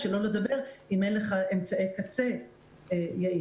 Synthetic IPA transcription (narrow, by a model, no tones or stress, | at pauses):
ʃelo̞led̪abe̞ʁimenleχaemt͡saejkat͡se̞ | ejai